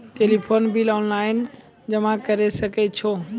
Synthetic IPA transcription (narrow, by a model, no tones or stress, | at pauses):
ʈeːlipʰoːnbilɔːnlaːɪn | d͡ʑɐmãkɐɾesɐɡʱet͡ɕʰoː